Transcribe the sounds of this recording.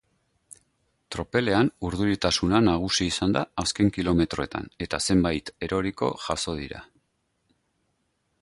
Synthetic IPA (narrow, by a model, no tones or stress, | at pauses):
t̪ɾo̞pe̞le̞anuɾðuɾit̪asunanaɣ̞usiːsand̪aːske̞ŋkilo̞me̞t̪ɾo̞e̞t̪a̰ne̞t̪ase̞mbajt̪e̞ɾʔo̞ɾiko̞̰ʝaso̞ð̞iɾa̰